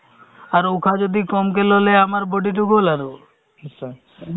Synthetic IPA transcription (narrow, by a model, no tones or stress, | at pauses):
aɾokʰad͡ʒod̪ikɔmk̬eloleamaɾboɖiʈ̬ukolaɾo